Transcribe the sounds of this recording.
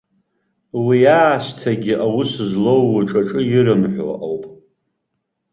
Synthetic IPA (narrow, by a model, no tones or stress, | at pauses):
wiaːʃʷtʰaɡʲɪʔawʊsɨzlowːaʈ͡ʂʼaʈ͡ʂʼɨjiɾɨmħʷa̰ʔawpʼ